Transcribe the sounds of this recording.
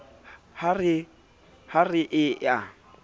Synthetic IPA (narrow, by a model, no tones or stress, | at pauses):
harɪ | harɪʔɪja